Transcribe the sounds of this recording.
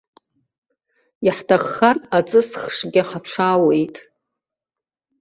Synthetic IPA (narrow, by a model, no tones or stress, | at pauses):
jaħtʰaχːarat͡sʼɨsχʂɡʲɪħapʰʂaːwe̞jtʼ